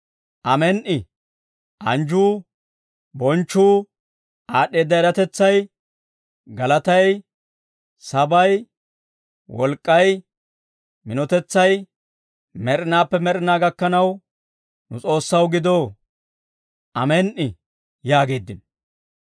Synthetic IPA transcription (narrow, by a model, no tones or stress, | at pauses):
ʔɐmɛnʔɪ | ʔɐnd͡ʒuː | bɔnt͡ʃːuː | aːɗːe̞ːd̪ːɐɛɾɐt̪ɛt͡sːɐj | ɡɐlɐt̪ɐj | sɐbɐj | wɔlkʼːɐj | mɪnɔt̪ɛt͡sːɐj | mɛɾɪnaːpːɛmɛɾɪnaːɡɐkːɐnɐw | nʊ̰t͡sʼo̞ːsːɐwɡɪd̪o̞ː | ʔɐmɛnʔɪ | jaːɡe̞ːd̪ːɪn